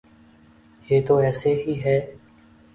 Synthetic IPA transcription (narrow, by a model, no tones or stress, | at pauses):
jeːt̪oːɛːseːɦiːɦɛː